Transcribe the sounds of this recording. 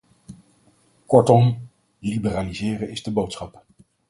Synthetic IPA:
kɔɹtɔm | libəraːlizɪːrənɪzdəbowtsχɑp

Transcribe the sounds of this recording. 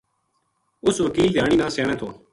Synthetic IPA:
ʊsʋəkiːld̪ʱjaːɽ̃iːnãːsjaːɳẽːt̪ʰoː

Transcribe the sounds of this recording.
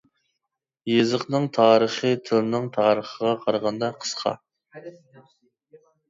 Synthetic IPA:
jezəqnɨŋt̪ʰɑːɾəχət̪ʰɨlˠɨnɨŋt̪ʰɑːɾəχəʁɑqʰɑɾʁɑnd̪ɑqʰə̥sqʰɑ̰

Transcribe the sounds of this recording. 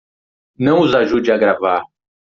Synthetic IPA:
nɐ̃w̃ʊzaʒud͡ʒɪaɡɾavaɾ

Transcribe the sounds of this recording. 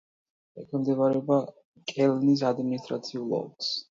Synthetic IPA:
ɛkʰɛmd̪ɛvaɾɛɔba | kʼɛlnis̬ad̪minist̪ʼɾa̰t̪sʰiulˠɔ̰ks

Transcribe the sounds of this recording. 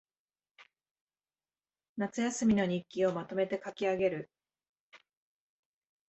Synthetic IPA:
nat͡sɨjasɨmʲino̞ɲ̟ikʲːio̞mat̪o̞me̞t̪e̞kakʲiaɡe̞ɾɯ̟

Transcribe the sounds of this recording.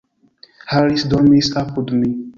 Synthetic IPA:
haɾisd̪ɔmisapudmi

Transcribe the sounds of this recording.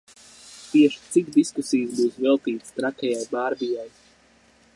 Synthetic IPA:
t̪iɛʃt̪sikd̪iskusijɨzbuːsvɛlˠt̪iːt̪st̪ɾakɛjajbaːɾbijaj

